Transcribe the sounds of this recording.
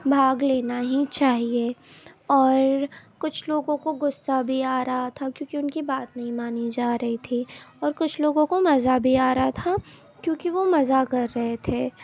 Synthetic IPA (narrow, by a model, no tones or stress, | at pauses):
bʱaːɡleːnaɦit͡ʃaːɦieɔːɾkʊt͡ʃʰloːɡõkoɡʊsːabʱiaːɾɐɦat̪ʰakjõːkĩʊnkibaːt̪nɐɦĩmaːnid͡ʒaːɾɐɦit̪ʰiɔːɾkʊt͡ʃʰloːɡõkomɐzabʱiaːɾɐɦat̪ʰa | kjõːkiʋomɐzakɐɾːɐɦet̪ʰeː